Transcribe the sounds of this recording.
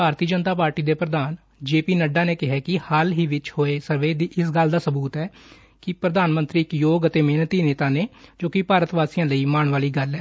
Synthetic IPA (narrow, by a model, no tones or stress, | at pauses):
bʱaːɾt̪iːəd͡ʒənt̪aːpaːɾʈiːd̪eːpɾəd̪aːn | d͡ʒeːpiːnəɖãːneːkɪɦɛːkɪhalɦiːʋɪt͡ʃhoːeːsəɾʋeːd̪iːʔɪsɡəld̪aːsəbuːt̪ɛː | kɪpɾəd̪aːnmə̃nt̪ɾiːɪkjoːɡət̪eːmeːnt̪iːneːt̪ãːneːd͡ʒoːkɪpaːɾət̪ʋaːsijãːləiːmaːɳʋaːliːɡəlɛː